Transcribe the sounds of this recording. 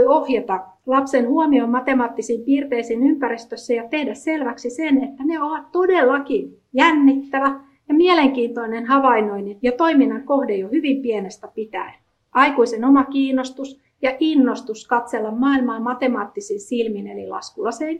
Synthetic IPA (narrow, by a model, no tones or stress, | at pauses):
ohjet̪ɑ | lɑpsenhuomiommɑt̪emɑːt̪ːisiːmpiːrt̪eisiːnympærist̪øsːæjɑt̪ehdæsselʋæksisenet̪ːæneoʋɑt̪t̪odelːɑki | jænːit̪ːæʋæ | jɑmieleŋkiːnt̪oinenhɑʋɑinoinijɑt̪oiminːɑŋkohdejohyʋimpienest̪æpit̪æ̰e | ʔɑikuisenomɑkiːnost̪us | jɑʔinːost̪uskɑt̪selːɑmmɑːilmɑːmɑt̪emɑːt̪ːisinsilminḛlilɑ̰skulɑsen